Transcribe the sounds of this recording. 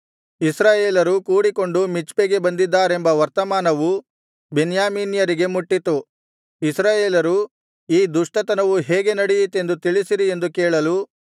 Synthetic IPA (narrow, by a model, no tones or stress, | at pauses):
isɾaːjeːlɐɾukuːɽiko̞ɳɖumit͡ʃpeɡe̞bɐnd̪id̪ːaːɾe̞mbɐʋɐɾt̪ɐmaːnɐʋu | benjaːmiːnjɐɾiɡe̞muʈːit̪u | isɾaːjeːlɐɾu | iːd̪uʂʈɐt̪ɐnɐʋuɦeːɡe̞nɐɽijit̪e̞nd̪ut̪iɭisiɾie̞nd̪ukɛːɭɐlu